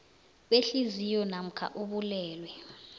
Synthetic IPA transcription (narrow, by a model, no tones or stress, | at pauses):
ɓeɬizijɔnam̩kʰa̰ʔuɓulɛːlwɛ